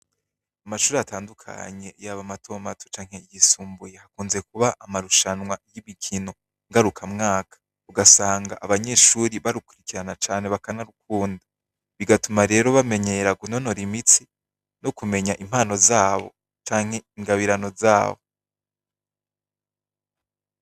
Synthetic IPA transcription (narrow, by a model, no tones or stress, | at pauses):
amaʃuːɾiataːndukʰa̰ɲe̞jaβamatʰo̞mato̥t͡ʃaːŋ̥he̞iɡisuːmbujehakuːnze̞k̚uβaʔamaɾuʃanwajimikʰino̞ | ŋɡaɾukʰamŋaːkʰḁ | uɡasaːŋɡaʔaβaɲe̞ːʃuːɾiβaɾukuɾikiɾanat͡ʃaːne̞βakanaɾuk̚uːnda | βiɡatumaɾe̞ːɾo̞βame̞ɲe̞ɾaɡuno̞no̞ɾimit͡si | nokume̞ɲaʔim̥haːno̞zaːβo̞̰ | t͡ʃaːŋhe̞iŋɡaβiɾano̞za̰ːβo̞